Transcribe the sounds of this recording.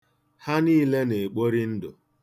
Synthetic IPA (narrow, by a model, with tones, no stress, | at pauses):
ha˦niː˦le˦ne˨k͡po˦ɾi˦n̩˦dʊ̰˨